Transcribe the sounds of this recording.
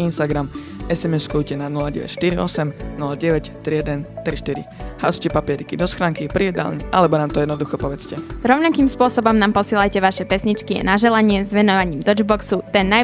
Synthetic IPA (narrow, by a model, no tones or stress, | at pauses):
inst̪aɡɾam | ɛsɛmɛskujcɛnanulaɟɛ̰ʋɛ̰cʃt̪iɾiɔsɛmnulaɟɛʋɛct̪ɾijɛd̪ɛnt̪ɾiʃt̪iɾḭha̰scɛpapɪɛɾikid̪ɔsxɾaːŋkipɾiɛd̪a̰lɲɛʔa̰lɛbɔnaːmt̪ɔjɛd̪nɔd̪uxɔpɔʋɛt͡scɛɾɔʊnakiːmspʊɔsɔbɔmnaːmpɔsɪɛlajcɛʋaʃɛpɛsɲit͡ʃkia̰naʒɛlaɲɪɛzʋɛnɔʋaɲiːmd̪ɔd͡ʒbɔksut̪ɛnːa